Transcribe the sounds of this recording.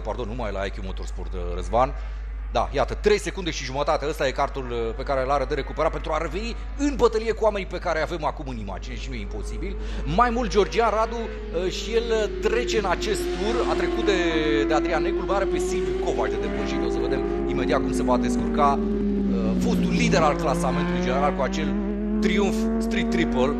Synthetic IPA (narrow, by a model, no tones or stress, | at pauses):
pard̪o̞nːumajla̰akʲumot̪orsport̪ | rə̰zvan | d̪a̰jat̪ət̪ɾe̞jse̞kund̪e̞ʃiʒumət̪at̪e̞əst̪aje̞kart̪ulpe̞kaɾelaɾəd̪əɾe̞kupeɾapent̪ɾuaɾe̞ve̞ni | ɨnbət̪əlije̞kuame̞nipe̞kaɾeave̞makumɨnima̰d͡ʒine̞ʃinuje̞impo̞sibil | majmult̪dd͡ʒʲord͡ʒianrad̪u | əʃije̞lt̪ɾe̞t͡ʃe̞ɨnat͡ʃe̞st̪t̪urat̪ɾe̞kut̪̚d̪ed̪ead̪ɾianekulmeaɾepe̞silviko̞vaʃd̪e̞d̪evulʃit̪eosəve̞d̪em | ime̞d̪iat̪̚kumse̞vad̪e̞skurka | ə | fut̪ulːid̪e̞ɾalklasament̪uluijd͡ʒene̞ɾalkuat͡ʃe̞l | t̪ɾiunf | st̪ɾik̚t̪ːɾipəl